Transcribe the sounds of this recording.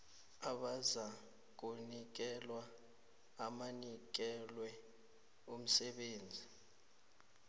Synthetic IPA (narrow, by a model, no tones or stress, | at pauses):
aɓaza | k̬unik̬ɛlwaː | manik̬ɛlwɛ | um̩sɛɓeːnd͡zʱi